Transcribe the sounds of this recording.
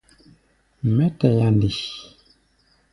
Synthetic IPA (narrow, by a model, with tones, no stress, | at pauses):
mɛ˦tɛ˨ja˨n˦di˨ʃ